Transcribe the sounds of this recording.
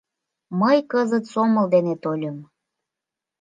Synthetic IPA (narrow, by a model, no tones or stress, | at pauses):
məjkəzət̪soməld̪enet̪olʲəm